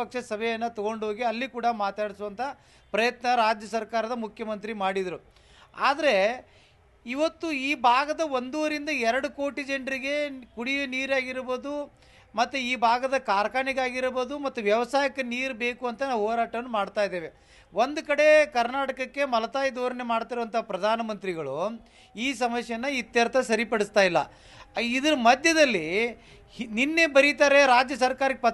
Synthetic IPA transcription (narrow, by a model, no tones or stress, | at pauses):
ɐkʂɐsɐbʱɛjɐnːɐt̪ɔɡo̞ɳɖɦo̞ːɡiɐlːikuːɽɐmaːt̪aːɽisuʋɐnt̪ʰɐ | pɾɐjɐt̪nɐɾaːd͡ʒjɐsɐɾkaːɾɐd̪ɐmukʰjɐmɐnt̪̬ɾimaːɽid̪ɐɾu | a̰ːd̪ɐɾe̞ | iʋɐt̪ːuiːbʱaːɡɐd̪ɐʋond̪oːɾind̪ɐɛɾɐɽuko̞ːʈid͡ʒeɳɖɾiɡe̞kuɽijɐniːɾaːɡiɾboːd̪u | mɐt̪ːuiːbʱaːɡɐd̪ɐkaːɾɐkaːɳiɡaːɡiɾbo̞ːd̪umɐt̪ːuʋjɐʋɐsaːjɐkɐniːɾbe̞ːkuɐnt̪ɐnaːʋɦoːɾaːʈɐʋɐnːumaːɽt̪aːjd̪e̞ːʋe̞ | ʋond̪ukɐɽe̞kɐɾnaːʈɐkɐkːe̞mɐlɐt̪aːjid̪oːɾɐnemaːɽt̪iɾuʋɐnt̪ɐɦapɾɐd̪ʱaːnɐmɐnt̪ɾiɡɐɭu | iːs̬ɐmɐʃjɐnːɐit̪jɐɾt̪ʰɐsɐɾipɐɽist̪aːjilːɐ̰ | id̪ɐɾɐmɐd̪ʱjɐd̪ɐlːi | ninːe̞bɐɾit̪aːɾe̞ɾaːd͡ʒjɐsɐɾkaːɾɐkːeɐ